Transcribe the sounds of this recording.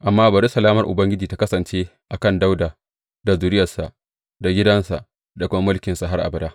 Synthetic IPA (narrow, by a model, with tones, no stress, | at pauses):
ʔa˨mːaː˦ba˨ɾi˦sɐ˨laː˦mɐ˨rʔʊ̰˨bɐ˦ŋɡʲɪ˦d͡ʒiː˨ta˦kɐ˦sɐ˨nt͡ʃeː˦ʔa˨kɐ˦˨nda˦wdaː˨ | da˨zuː˨ɾɪ˦jɐ˨sa˨ʔ | da˨ɡʲɪ˦dɐ˦nsa̰˨ʔ | da˨kʷʊ˦ma˦mʊ˦lkʲɪ˨nsa˨ɦa˦rʔa̰˨bɐ˨daː˦